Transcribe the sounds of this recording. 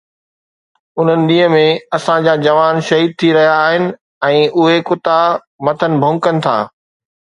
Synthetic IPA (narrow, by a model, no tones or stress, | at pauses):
ʊn̤ənɪ̆ɗ̪ĩːɦəmẽɐsãd͡ʑaːd͡ʑɐʋaːnʃɐɦiːd̪̚t̪ʰiɾɐɦijaːɦɪnɪ̆ | ɛ̃ːʔʊɦekʊt̪a | mɐt̪ʰənɪ̆bʱʊ̃ŋkənɪ̆t̪ʰa̰ː